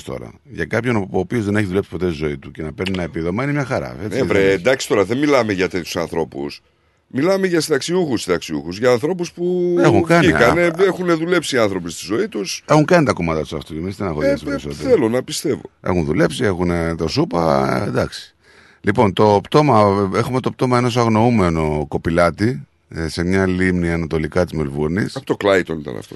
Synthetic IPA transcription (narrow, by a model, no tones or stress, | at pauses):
st̪o̞̰ɾɐ̰ | ʝɐkɐpçonopio̞zðe̞ne̞çiðulesi̥po̞t̪et̪izo̞it̪ucenɐpeɾninɐepiðo̞menimɲɐxɐɾɐ̰eevɾend̪ɐksi̥t̪o̞ɾɐðenmilɐmeʝɐt̪et̪ʰju̥sɐ̰nθɾo̞pṵs | milɐmeʝɐsit̪ɐksiuxusiðɐksiṵxuzʝɐːnθɾo̞puspuexuŋkɐniɐneexuneðule̞psiɐnθɾo̞pist̪izo̞it̪use̞xuŋkɐnit̪ɐko̞mɐnd̪ɐt̪u̥sɐft̪uemizðenɐxosst̪meɾisot̪eθelonɐpist̪e̞vo̞̰e̞̰xunðule̞psie̞xunet̪o̞supɐ̰ḛnd̪ɐksi̥ | lipo̞nt̪o̞pt̪o̞mɐe̞xumet̪op̚t̪o̞mɐeno̞s̬ɐɣno̞ume̞no̞ko̞pilɐt̪i | se̞mɲɐlimniɐnɐt̪o̞likɐt̪izmelvuɾnisɐpot̪oklɐjt̪onit̪ɐ̰nɐ̰ft̪o̰